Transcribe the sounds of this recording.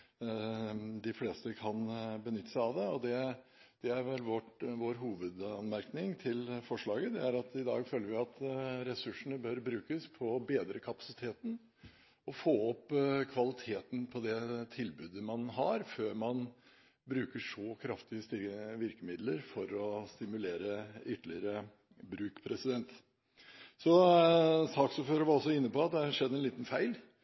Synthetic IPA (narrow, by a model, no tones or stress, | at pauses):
d̪ɪfleːst̪əkʰɑnbənʏt̪ːəsɑʋd̪ɛɔd̪ɛd̪̥ɛæɾʋɛlʋɔʈʋoːɾɦuːʋəd̪ɑnmæɾknɪŋt̪ʰɪlfɔʂɭɑːɡəd̪ɛæɾɑt̪ɪd̪ɑ̰ːɡføːləɾʋɪɑt̪ɾɛsʉʂəɳəbœɾbɾʉːkəspʰɔbeːd̪ɾəkʰɑpɑ̥sɪt̪ʰeːt̪n̩ | ɔfoːɔpːkʰʋɑlɪt̪ʰeːt̪n̩pʰɔd̪ɛt̪ʰɪlbʉːd̪əmɑnɦɑɾføːɾmɑn | bɾʉːkəʂɔkʰɾɑft̪ɪəst̪ɪʋɪɾkəmɪd̪ləɾfɔɾɔst̪ɪmʉleːɾəʏt̪ːəlɪəɾə | bɾʉːkpʰɾɛsɪd̪ɛnt̪ | sɔ | sɑːksuːføːɾəɾʋɑɾɔsːɔɪnːəpɔɑt̪̚d̪ɛʂɛd̪ːəɛnliːt̪nfæɪl